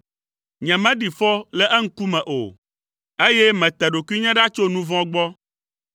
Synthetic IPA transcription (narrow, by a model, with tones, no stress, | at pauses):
ɲɛ̃˨mɛ̃˦ɖi˨fɔ˦lɛ˦ʔɛ˦ŋ̩˦ku˦mɛ̃˨ʔo̰˨ | e˦jɛ˦mɛ̃˨t̪ɛ˨ɖo˨ki˦ɲɛ̃˦ɖa˦t͡ʃo˦nũ˦vɔ̃˦ɡ͡bɔ˦